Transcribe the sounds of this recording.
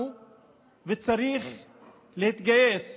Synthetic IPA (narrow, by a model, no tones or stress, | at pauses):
u | vet͡saʁiχ | lehit̪ɡajes